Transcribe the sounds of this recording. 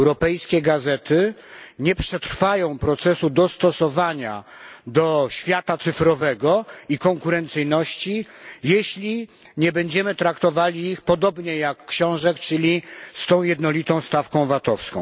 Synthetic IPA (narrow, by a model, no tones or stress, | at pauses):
ɛwɾɔpɛjskʲɛɡazɛt̪ɘɲɛpʂɛt̪ɾfajɔ̃w̃pɾɔt̪sɛsud̪ɔst̪ɔsɔvaɲa̰d̪ɔɕfʲjat̪at̪sɘfɾɔvɛɡɔikɔŋkuɾɛnt̪sɘjnɔɕt͡ɕijeɕlʲi | ɲɛbɛɲd͡ʑɛmɘt̪ɾakt̪ɔvalʲiixpɔd̪ɔbɲɛjakːɕɔ̃w̃ʐɛkt͡ʂɘlʲist̪ɔ̃w̃jɛd̪nɔlʲit̪ɔ̃w̃st̪afkɔ̃w̃vat̪ɔfskɔ̃w̃